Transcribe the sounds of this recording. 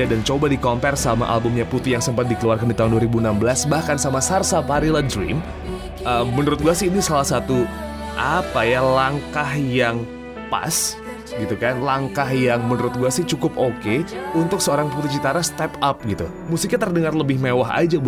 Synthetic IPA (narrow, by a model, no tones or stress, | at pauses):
adant͡ʃobadikɔmpɛrsama̰ʔa̰lbʊmɲaput̪ijaŋsəmpat̪̚dikəluarkandit̪aɦʊunduaɾibuənambəlasbahkansamasarsapaɾiladɾḭm | ʔəmːənuɾʊt̪̚ɡuasɪinisalahsat̪u | ʔapajalaŋkahjaŋ | pa̰s | ɡit̪ukanlaŋkahjaŋmənuɾʊt̪̚ɡuasɪht͡ʃukʊpokeunt̪ʊksəoɾaŋput̪it͡ʃit̪aɾast̪ɛpap̚ɡit̪u | musɪk̚ɲat̪ərdəŋarləbɪhmewaɦa̰d͡ʒa